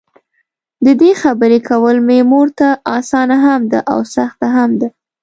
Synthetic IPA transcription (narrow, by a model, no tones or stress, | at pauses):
d̪əd̪exabəɾekʰawəlmemoɾt̪aʔɑsɑnaɦamd̪aʔa̰wsaxt̪aɦamd̪a